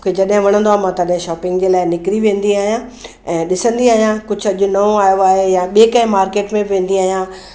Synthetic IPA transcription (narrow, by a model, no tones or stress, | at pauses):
kʰed͡ʑɐɗɦɪ̃ʋɐɽ̃ə̃nd̪oaːmãːt̪ɐɗɦɪ̃ʃɔːpɪ̃ŋɡd͡ʑeːlaːɪnɪkɪɾiʋẽːn̆d̪iaːɦijã | ɛ̃ːɗɪsə̃nd̪iaːɦijãkʊd͡ʑʱɐʄʊnɐõaːjoaːɦejãɓiekɐ̃ɦɪ̃maːɾkeːʈmẽʋẽːnd̪iaːɦijã